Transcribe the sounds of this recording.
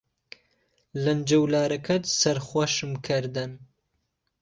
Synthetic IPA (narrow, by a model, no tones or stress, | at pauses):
lɐnd͡ʒɐwlaːɾɐkʰɐt̪sɐɾχwʷɐʃɨmkʰɨɾd̪ɨn